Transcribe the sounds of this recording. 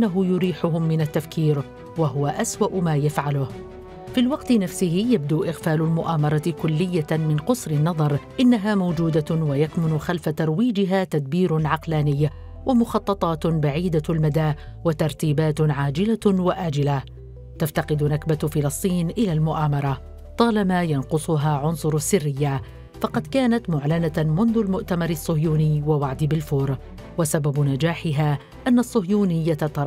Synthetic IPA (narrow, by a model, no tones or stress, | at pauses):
ʔanːaɦʊjʊɾiːħʊɦʊmːɪnat̪ːafkiːɾ | waɦʊwaʔaswaʔʊmaːjafʕalʊh | filwɑqt̪ɪnafsɪhɪjab̚d̪uːʔɪɣfaːlʊlmʊʔaːmɑɾˤɑt̪kʊlːɪjːamɪnqʊsɾɪnːɑðˤɑɾˤʔɪnːaɦaːmawd͡ʒuːd̪awajakmʊnʊxalfat̪ɑɾˤwiːd͡ʒɪɦaːt̪ad̪̚biːɾʊnʕɑqlaːnɪjː | wamʊxɑt̪ˤːɑt̪ˤɑːt̪baʕiːd̪almad̪aːwat̪ɑɾˤt̪iːbaːt̪ʕaːd͡ʒɪlawaʔaːd͡ʒɪla | t̪aft̪ɑqɪd̪nakbafɪlɑsˤt̪ˤiːnʔɪlaːlmʊʔaːmɑɾˤɑ | t̪ˤɑːlamaːjɑnqʊsˤʊɦaːʕʊnsˤʊɾˤasːɪrːɪjːa | fɑqɑd̪kaːnat̪mʊʕlanamʊnðʊlmʊʔt̪amɑɾˤɪsˤːʊhjuːnɪjwawaʕd̪ɪbɪlfʊːɾ | wasababnad͡ʒaːħɪɦaː | ʔanːaʔsˤːʊhjuːnɪjːat̪ɑɾˤ